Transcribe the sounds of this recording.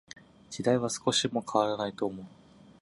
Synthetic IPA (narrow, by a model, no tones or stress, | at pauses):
d͡ʑid̪aiβ̞asɨ̥ko̞ɕimo̞kʰaβ̞aɾanait̪o̞ːmo̞ɯ